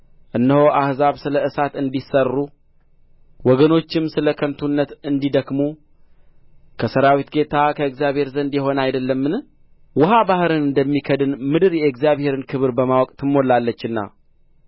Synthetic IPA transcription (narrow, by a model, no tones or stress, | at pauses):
ʔɨnːəhoʔahzaβsɨləɨsat̪ɨnd̪isərːu | wɔɡəno̞t͡ʃːɪmsɨləkʰənt̪ʰunːət̪ɨnd̪id̪əkmu | kʰəsəɾawit̪ɡe̞t̪ʰakʰəɪkzjaβhe̞ɾzənd̪jɛɦo̞najd̪əlːəmːɨn | wʊɦabahɾɨnɨnd̪əmːikʰəd̪ɨnmɨd̪ɨɾjɛɡzijaβhe̞ɾɨnkʰɨβɨɾbəmawɔkʼt̪ʰɨmːo̞lːalːət͡ʃːɨnːa̰